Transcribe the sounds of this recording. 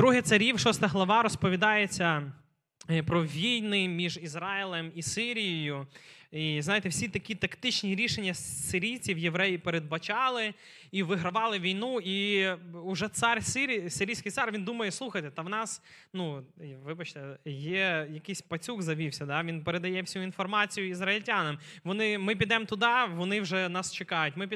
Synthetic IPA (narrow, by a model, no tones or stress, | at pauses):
d̪ɾuɦɛtsɐɾʲiwʃɔst̪ɐɦlˠɐʋɑɾɔspɔʋʲid̪ɑjet͡sʲːɐ | pɾɔʋʲijnɪmʲiʒizɾɑɪlˠemisɪɾʲijɔjʊiznɑjet̪ɛwsʲit̪ɐkʲit̪ɐkt̪ɪt͡ʃnʲiɾʲiʃenʲːɐsɪɾʲijt͡sʲiwjeʋɾɛjipeɾed̪̚bɐt͡ʃɑlˠɪ | iʋɪɦɾɐʋɑlˠɪʋʲijnui | ʊʒɛt̪sɑrʲsɪɾʲisɪɾʲijsʲkɪjt̪sɑrʋʲind̪umɐjɛslˠuxɐjt̪ɛt̪ɐʋnɑs | nuʋɪbɐt͡ʃt̪ɛjɛjɐkɪjsʲpɐt͡sʲuɡzɐʋʲiwsʲɐd̪ɑʋʲinpeɾed̪ɐjɛwsʲuinfɔrmɑt͡sʲijʊizrɐilʲtʲanɐm | ʋɔnɪmɪp̬ʲid̪ɛmt̪ʊd̪ɑʋɔnɪwʒɛnɑst͡ʃekɑjʊtʲmɪpʲ